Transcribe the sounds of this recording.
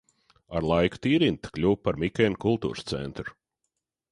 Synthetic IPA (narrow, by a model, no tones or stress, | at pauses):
aɾlˠajku̥t̪iːɾint̪klʲuːpaɾmʲikʲɛnkulˠt̪ṵːɾst̪sɛ̰nt̪ɾu